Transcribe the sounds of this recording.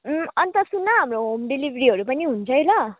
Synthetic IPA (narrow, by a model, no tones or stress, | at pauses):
ʌnt̪ʌsunːʌɦamroɦomɖilibʱɾiɦʌɾupʌniɦunt͡sʰʌjlʌ